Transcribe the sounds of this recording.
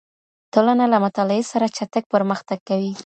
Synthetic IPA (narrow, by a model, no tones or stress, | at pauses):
t̪olanalamʊt̪ɑlɪesaɾat͡ʃat̪aɡ̚pəɾməxt̪aɡ̚kːawi